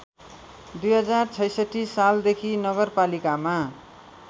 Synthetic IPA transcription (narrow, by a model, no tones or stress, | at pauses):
d̪ujɦʌd͡zart͡sʰʌjsʌʈʰːisald̪ekʰinʌɡʌrpalikama